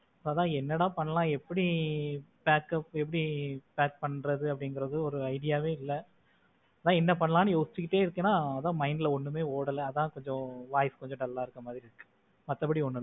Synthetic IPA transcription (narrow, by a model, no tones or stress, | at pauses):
soːɐðãːɛnːɛɽãːpɐɳːɐlãːɛpːɐɽi | b̥aːkɐpɛpːɐɽib̥aːk̚pɐɳːɾɐðɯɐpːɐɽɪnɡɪɾɐðɯɔɾɯɐɪɽɪjaːʋeːɪlːɐ | ɐðãːɛnːɐpɐɳːɐlãːnɯjoːsɪt͡ʃːɪkːɪʈːeːɪɾɯkːɛnaːɐðãːmɐɪnɪlɐɔnːɯmeːoːɽɐlɐɐðãːkɔɲd͡ʒɔ̃ʋaːjskɔɲd͡ʒɔ̃ʈɐlːaːɪɾɯkːɐmaːðɪɾiɪɾɯkːɯ̥ | mɐt̪ːɐpːɐɽiɔnːɯl